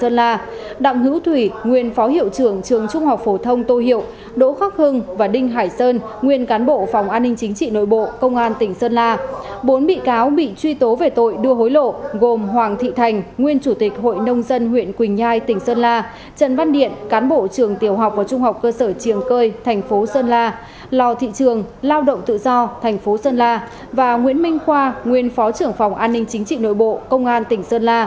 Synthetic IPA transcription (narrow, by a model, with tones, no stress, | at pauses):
səː˧nlaː˧ɗa̰˧˨wŋ͡mhɨ̰˧˥wt̪ʰwi˧˩ŋwi˨˩ənfɔ˨˦hḭ˧˨ə˨wt͡ɕɨ˨˧˩əŋt͡ɕɨ˨˩əŋt͡ɕʊ˧ŋ͡mha˨˩wk͡p̚fo˨˩t̪ʰə˧wŋ͡mt̪o˧hḭ˧˨ə˨w | ɗo̰˧˥xaː˦˥k̚hɨ˧ŋvaː˨˩ɗï˧ŋ̟ɦaː˧˩jsəː˧n | ŋwi˧ənkaː˨˦nɓo̰˧˨fɔ˨˩wŋ͡mʔaː˧nːï˧ŋ̟t͡ɕï˨˦ŋ̟t͡ɕḭ˧˨no̰˧˨jɓo̰˧˨kə˧wŋ͡mʔaː˧nt̪ï˧˩ŋ̟səː˧nlaː˧ɓo˨˦nɓḭ˧˨kaː˨˦wɓḭ˧˨t͡ɕwi˧t̪o˨˦ve˨˩t̪o̰˧˨jɗɨ˧əɦo˨˦jlo̰˧˨ɣo˨˩mɦwaː˨˩ŋt̪ʰḭ˧˨t̪ʰa˨˩jŋ̟ŋwi˧ənt͡ɕu˧˩t̪i˨˩k̟̚ɦo̰˧˨jnə˧wŋ͡mzə˧nhwḭ˧˨ənkwï˨˩ŋ̟zaː˧jt̪ï˧˩ŋ̟səː˧nlaː˧ | t͡ɕə̰˧˨nva˧nɗḭ˧˨ənkaː˨˦nɓo̰˧˨t͡ɕɨ˨˩əŋt̪i˧˩əwɦa˨˩wk͡p̚vaː˨˩t͡ɕʊ˧ŋ͡mɦa˨˩wk͡p̚kːəː˧səː˧˩t͡ɕi˨˩əmkəː˧jt̪ʰɛ˨˩jŋ̟fo˨˦səː˧nlaː˧ | lɔ˨˩wt̪ʰḭ˧˨t͡ɕɨ˨˩əŋlaː˧wɗə̰˧˨wŋ͡mt̪ɨ̰˧˨zɔ˧t̪ʰɛ˨˩jŋ̟fo˨˦səː˧nlaː˧ | vaː˨˩ŋwḭ˧˥ənmï˧ŋ̟xwaː˧ŋwi˧ənfɔ˨˦t͡ɕɨ˧˩əŋfa˨˩wŋ͡mʔaː˧nːï˧ŋ̟t͡ɕï˨˦ŋ̟t͡ɕḭ˧˨no̰˧˨jɓo̰˧˨kə˧wŋ͡mʔaː˧nt̪ï˧˩ŋ̟səː˧nlaː˧